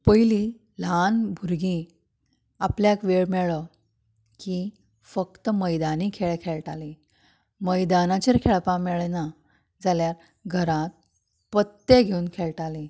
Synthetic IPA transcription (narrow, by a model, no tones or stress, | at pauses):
pəjli | lanbʱuɾɡĩ | apljakʋeɭmɛɭə | ki | fək̚t̪əməjd̪aniːkʰeɭekʰeɭʈali | məjd̪anat͡ɕeɾkʰeɭpamɛɭna | d͡zaljaɾ | ɡʱəɾãt̪̚ | pət̪ːeɡʱeunkʰeɭʈali